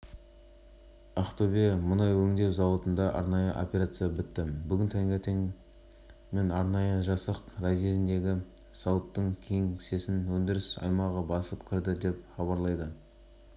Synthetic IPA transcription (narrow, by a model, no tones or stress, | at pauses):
ɑχt̪obemʊnɑjwɵŋd̪e̞wzɑwot̪ənd̪ɑʔɑ̰ɾnɑjəʔo̰pʲeɾat̪sɨjabɪt̪ːɪbʏɡʲɪnt̪ʰæŋɡʲet̪ʰeŋ | me̞nɑɾnɑjəʒɑsəqɾɑzizɪnd̪e̞ɡʲɪ | sɑwət̪ːəɴkʲʰe̞ŋse̞sɪnwɵnd̪ɪɾɪsɑ̰jmɑʁəbɑsəpkʲʰɪɾd̪ɪd̪e̞p̚χɑbɑɾlˠɑjd̪ə